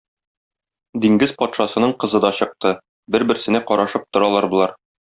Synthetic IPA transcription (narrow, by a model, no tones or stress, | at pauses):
d̪iŋɡɘzpɒt̪ʃɑsɤ̆nɤɴqɤ̆zɤ̆d̪ɒɕɤ̆q̚t̪ɤ | bɘɾbɘ̆ɾsɘ̆næqɒɾɑʃɤp̚t̪ŏɾɑlˠɑɾbŏlˠɑɾ